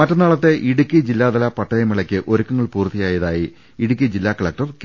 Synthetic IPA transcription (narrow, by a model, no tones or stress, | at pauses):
mɐtːɐnaːɭɐt̪ːe̞ʔiɽukʲːid͡ʑilːaːd̪ɐlapɐʈːɐjɐmiɭɐkʲːɨʔo̞ɾukʲːɐŋːɐɭpuːrt̪ːijaːjɐðaːji | iɽuk̬ʲːid͡ʑilːaːkɐɭɐk̚ʈɐrk